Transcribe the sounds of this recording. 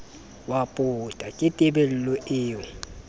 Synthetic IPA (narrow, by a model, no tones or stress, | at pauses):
wapʼʊtʼakʼɪtʼɪbɛl̩lɔʔɪːɔ